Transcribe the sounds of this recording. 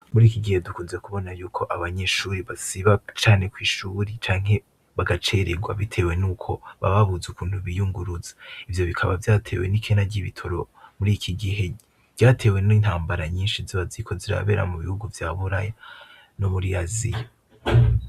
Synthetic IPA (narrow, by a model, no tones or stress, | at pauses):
muɾiːkiɡihe̞dukuːnzekuβo̞najuːkʰo̞ʔaβaɲe̞ʃuːɾiβasiβat͡ʃaːne̞kwiːʃuɾit͡ʃaːŋ̥he̞ | βaɡat͡ʃe̞ɾeɡwa̰βitʰe̞ːwe̞nuːkʰo̞βa̰βaβuzukuːnhuβijuŋɡuɾuzḁivjo̞βikʰaβa̰vjaːtʰe̞̰we̞̰nikʰe̞naɟiβitʰo̞ɾo̞muɾiːkʰiɡiɦe̞ | ɟ̥aːtʰe̞ːwe̞ninhaːmbaɾaɲiːnʃiziβazikʰo̞ziɾa̰βe̞ːɾa̰muβihuɡuvjaːβuɾaja | no̞muɾiazḭja